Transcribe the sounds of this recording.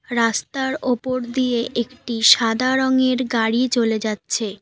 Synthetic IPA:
ɾast̪aɾopoɾd̪ijeʔekʈiʃad̪ʱaɾoŋeɾɡaɽit͡ɕoled͡ʑatːɕʰe

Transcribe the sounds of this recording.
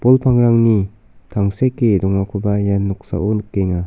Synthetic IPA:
pɔlpʰaŋɾaŋni | tʰaŋsekːedɔŋakʰubajanːɔk̚sa̰ʔɔnkeŋa

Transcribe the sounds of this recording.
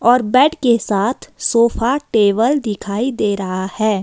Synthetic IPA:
ɔːɾbɛːʈkesaːt̪ʰsoːfʰaʈeːʋəld̪ɪkʰaːid̪eːɾɐɦahɛː

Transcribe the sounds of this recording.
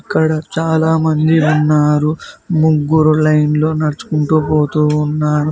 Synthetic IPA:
ɐkːɐɽɐt͡ʃaːlaːmɐnd̪iunːaːɾumuɡːuɾulɐjnlo̞ːnɐɽɐt͡ʃu̥kuɳʈuːpoːt̪uːnːaːɾu

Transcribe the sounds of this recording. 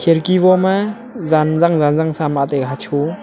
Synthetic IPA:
kʰeɾkiβɔma | zanzaŋzanzaŋsamatejɡɦat͡ʃʰu

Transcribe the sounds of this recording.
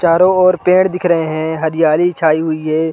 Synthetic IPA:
t͡ʃaːɾoɔːɾpẽːɽd̪ɪkʰɾəɦẽɦɛ̃ɦɐɾɪjaːlit͡ʃʰaːiɦʊiɦɛː

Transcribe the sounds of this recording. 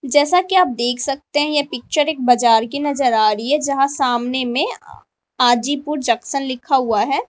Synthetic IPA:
d͡ʒɛːsakiaːp̚d̪eːkʰsɐk̚t̪eɦɛ̃jepɪk̚t͡ʃəɾeːk̚bɐd͡ʒaːɾkinɐzəɾaːɾiɦɛd͡ʒɐɦãsaːmnemẽ | aːd͡ʒipuɾd͡ʒɐksənlɪkʰaɦuaɦɛː

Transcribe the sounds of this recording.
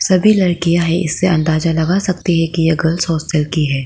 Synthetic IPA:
sɐbʱilɐɾkijaɦɛʔɪ̰sːeɐ̃nd̪aːzalɐɡasɐkt̪iɦɛkijeɡɐlsɔːstəlkiɦɛː

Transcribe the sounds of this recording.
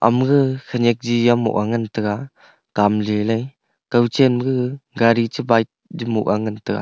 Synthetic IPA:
ʔa̰mɡɯkʰənek̚d͡ʒijamɔ̰ʔaŋɯntɯka | kamlilaj | kawt͡ʃenɡɯɡaɾit͡ʃɯbajt̚d͡ʒimṵʔaŋɯntɯka̰

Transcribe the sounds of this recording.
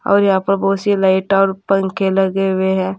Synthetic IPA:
ɔ̰ːɾjɐɦãːpəɾbɔːt̪silaːɪʈaːɾpə̃ŋkʰeləɡeɦʊeɦɛ̃ː

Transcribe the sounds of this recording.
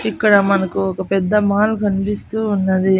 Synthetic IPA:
ikːɐɽɐmɐnɐkuɔkɐpɛd̪ːɐmaːlukʰɐnpist̪uːunːɐd̪i

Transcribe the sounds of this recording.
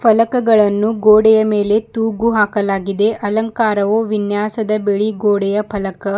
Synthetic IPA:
pʰɐlɐkɐɡɐɭɐnːuɡoːɽɛjɐme̞ːle̞t̪uːɡuɦaːkɐlaːɡid̪e̞ʔɐlɐŋkaːɾɐʋoːʋinjaːsɐd̪ɐbeɭiɡoːɽɛjɐpʰɐlɐkɐ

